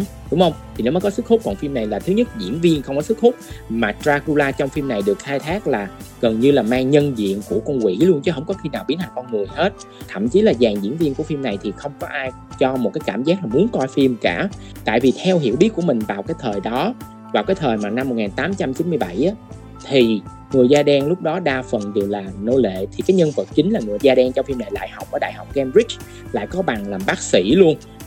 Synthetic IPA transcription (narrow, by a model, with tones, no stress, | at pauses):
ɗʊ˦ŋ͡mhə˧wŋ͡mt̪ʰi˨˩ne˨˦wmɔ˨˦kɔ˨˦sɨ˦˥k̚xʰhʊ˦˥k͡p̚kɔ˨˩nfi˧mna˨˩jlaː˨˩t̪ʰɨ˨˦ɲə˦˥t̚zḭ˧˥ənvi˧ənxə˧wŋ͡mkɔ˨˦sɨ˦˥k̚hʊ˦˥k͡p̚maː˨˩tɾaː˧ku˧laː˧t͡ɕɔ˧wŋ͡mfi˧mna˨˩jɗɨ˨˩ək̚xaː˧jt̪ʰaː˦˥k̚laː˨˩ɣə˨˩nɲɨ˧laː˨˩maː˧ŋɲə˧nzḭ˧˨ənku˧˩əkə˧wŋ͡mkwḭ˧˨lu˧ənt͡ɕɨ˧˨˦ɦə˧wkɔ˨˦xi˧naː˨˩wɓi˨˦ən̚hʰa˨˩ŋ̟kɔ˧nŋɨ˨˩əjɦe˦˥t̚ | t̪ʰə̰˧˨mt͡ɕi˨˦laː˨˩zaː˨˩ŋzḭ˧˥ənvi˧ənku˧˩əfi˧mna˨˩jt̪ʰi˨˩xə˧wŋ͡mkɔ˨˦ʔaː˧j | t͡ɕɔ˧mo˨˩t̚kaː˨˦jkaː˧˩mzaː˦˥k̚laː˨˩mu˨˦ənt̪wa˧jfi˧mkaː˧˩ | t̪a̰ː˧˨jvi˨˩t̪ʰɛ˧wɦi˧˩əwɓi˦˥t̚ku˧˩əmï˨˩ŋ̟vaː˨˩wkaː˨˦jt̪ʰəː˨˩jɗɔ˨˦ | vaː˨˩wkaː˨˦jt̪ʰəː˨˩jmaː˨˩na˧mːo˨˩t̚ŋaː˨˩nt̪aː˨˦mt͡ɕa˧mt͡ɕi˨˦nmɨ˧əjɓa˧˩jʔaː˨˦ | t̪ʰi˨˩ | ŋɨ˨˩əjzaː˧ɗɛ˨˩nlʊ˦˥k͡p̚ɗɔ˨˦ɗaː˧fə˨˩nɗɨ˨˩ək̚laː˨˩no˧lḛ˧˨t̪ʰi˨˩kaː˨˦jɲə˧nvə˨˩t̚t͡ɕï˨˦ŋ̟laː˨˩ŋɨ˨˩əjzaː˧ɗɛ˧ŋt͡ɕɔ˧fi˧mna˨˩jla̰ː˧˨jha˨˩wk͡pʔəː˧˩ɗa̰ː˧˨jɦa˨˩wk͡p̚kɛ˧mzi˦˥t͡ɕ | la̰ː˧˨jkɔ˨˦ɓa˨˩ŋlaː˨˩mɓaː˦˥k̚sḭ˧˥lu˧ən